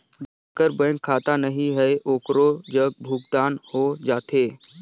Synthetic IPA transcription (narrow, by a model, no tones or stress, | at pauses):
bəkəɾbə̃ŋkkʰːaːt̪anəɦĩɦɛʔoːkɾod͡ʒəɡ̚bʱuɡ̚d̪aːnhod͡ʒaːt̪eː